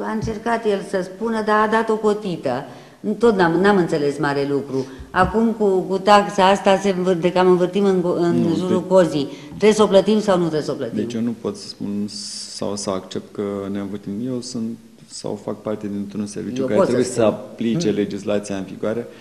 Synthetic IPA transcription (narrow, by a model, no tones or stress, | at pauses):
aɨnt͡ʃe̞rkat̪je̞lsəspunəd̪aːd̪at̪o̞ko̞t̪it̪ə | t̪o̞t̪namnamɨnt̪se̞le̞smaɾe̞lukɾuakumkukut̪aksaast̪aseɱvɨd̪ekamɨnvɨrt̪imɨnɨnʒuɾuko̞zi | t̪ɾe̞bsəo̞plət̪imsawnut̪ɾebsoplət̪d̪eimt͡ʃjenupo̞t̪sə̥spunsa̰wsəakt͡ʃe̞p̚t̪̚kənenvɨrt̪imjewsunt̪ | sa̰wfak̚part̪e̞d̪int̪ɾunse̞rvijt͡ʃuekaɾeot̪esəujessəaplit͡ʃe̞le̞d͡ʒislat̪siaɨnviɡuaɾe̞